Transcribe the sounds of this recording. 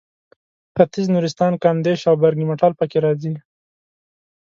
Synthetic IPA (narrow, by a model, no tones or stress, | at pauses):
pat̪ɪznuɾist̪ɑnkɑnd̪eʃawbaɾɡimaʈɑlpəkeɾɑzi